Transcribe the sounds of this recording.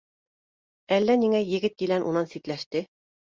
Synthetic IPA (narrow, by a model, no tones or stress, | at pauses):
ælːæniŋæjɘ̆ɡɘt̪̚kilænʔṵnɑnsit̪læʃt̪ɘ